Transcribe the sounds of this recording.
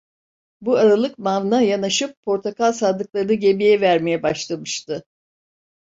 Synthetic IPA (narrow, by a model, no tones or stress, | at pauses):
buaɾalˠɯkmavnajanaʃɯpʰːo̞ɾt̪ʰakalˠsaːd̪ɯklˠaɾɯnɯɟe̞mijɛvæɾmejɛbaʃlˠamɯʃt̪ɯ